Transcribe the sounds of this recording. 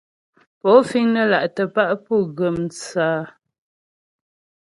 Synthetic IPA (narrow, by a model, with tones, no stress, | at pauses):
pɔ˨˦fi˦ŋnə˦˨la˨ʔtə˨pa˦ʔpu˦˨ɣə˨mt͡saː˨˦